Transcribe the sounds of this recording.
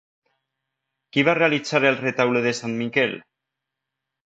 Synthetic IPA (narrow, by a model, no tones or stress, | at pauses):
kiβare̞alit͡saɾealret̪awleðesanmikel